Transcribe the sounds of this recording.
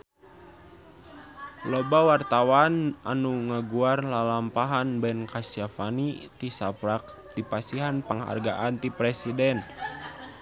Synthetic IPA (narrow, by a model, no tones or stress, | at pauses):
lɔbawart̪awana̰nuŋəɡuarlalampaɦanbɛnkasiafanit̪isapɾak̚ | d̪ipasiɦanpəŋɦa̰rɡaʔant̪ipɾɛsidɛn